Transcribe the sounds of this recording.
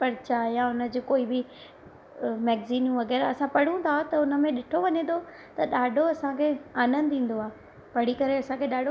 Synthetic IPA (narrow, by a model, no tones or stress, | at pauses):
pɐɾt͡ɕajaʊnə̆d͡ʑoːkoːibɪ | mɛːɡziːnjũʋɐɣɛːɾaɐsãpɐɽ̤ũt̪ʰat̪ɐʊnə̆mẽɗɪʈʰoʋɐɲẽt̪ʰo | t̪ɐɗaːɖʱoɐsãkʰeːaːnə̃nd̪ĩːn̆d̪oaː | pɐɽ̤ikɐɾeɐsãkʰeɗaːɖʱo